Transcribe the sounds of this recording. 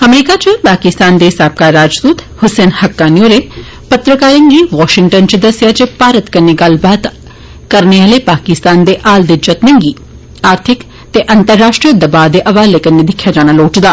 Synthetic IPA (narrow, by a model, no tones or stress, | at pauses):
ɐmɾiːkat͡ʃəpaːkɪst̪aːnd̪esaːb̚kaːɾːaːd͡ʒd̪uːt̪ | hʊseːnhɐkːaːnjoːɾe | pɐt̪ɾəkaːɾɪ̃ŋɡiʋɔːʃɪŋʈənt͡ʃed̪ɐsjat͡ʃepaːɾət̪kɐɾneɡɐlbaːd̪ | kɐɾneʋɐlepaːkɪst̪aːnd̪eʔaːld̪ed͡ʒɐt̪nẽŋɡiː | aːɾt̪ʰɪk | t̪eʔɐ̃nt̪əɾːaːʃʈɾijəd̪ɐbaːd̪eʔɐʋaːlekɐnːed̪ɪkʰjad͡ʒaːñaloːʈd̪aː